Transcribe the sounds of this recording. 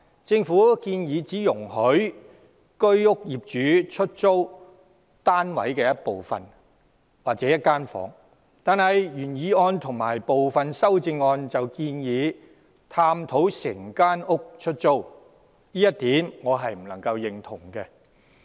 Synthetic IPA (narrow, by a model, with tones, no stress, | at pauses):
t͡sɪ˧ŋfuː˨˥kiː˧njiː˨˧t͡siː˨˥jʊ˨˩ŋɦɵ˨˥ɥ | kɵ˥ɥʊ˥k̚jiː˨p̚t͡ʃyː˨˥t͡ʃʰɵ˥t̚t͡so˥w | t̪aː˥nwɐ̰˨˥jkɛː˧jɐ˥t̚po˨wfɐ̰˨˩n | waː˨k̚t͡sɛː˨˦˥jɐ˥t̚kaː˥nfɔ̰ː˨˥ŋ | t̪aː˨nhɐ˨jjyː˨˩njiː˨˧ɔː˧nt̪ʰʊ˨˩ŋmaː˨˩jpo˨wfɐ˨nsɐ˥wt͡sɪ˧ŋːɔː˧nt͡sɐ˨wkiː˧njiː˨˧ | t̪ʰaː˧mt̪ʰo˨˥wsɪ˨˩ŋkaː˥nʊ˥k̚t͡ʃʰɵ˥t̚t͡so˥w | jiː˥jɐ˥t̚t̪iː˨˥mŋɔː˨˧ɦɐ˨jm̩˨˩lɐ˨˩ŋkɐ˧wjɪ˨ŋt̪ʰʊ˨˩ŋkɛː˧